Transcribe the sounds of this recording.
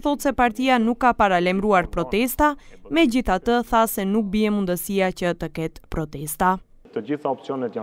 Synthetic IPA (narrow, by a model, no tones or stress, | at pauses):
θɔt̪sɛpaɾt̪ianukːapaɾalɛmɾuaɾpɾɔt̪ɛst̪amɛd͡ʑiθat̪əθasɛnuk̚biɛmund̪əsiat͡ɕət̪əkɛt̪pɾɔt̪ɛst̪a | t̪əd͡ʑiθaɔpsjɔnɛt̪ja